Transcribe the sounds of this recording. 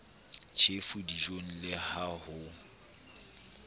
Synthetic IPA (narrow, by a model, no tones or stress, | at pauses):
t͡ʃʰefudiʒoŋ̩lɪhahʊ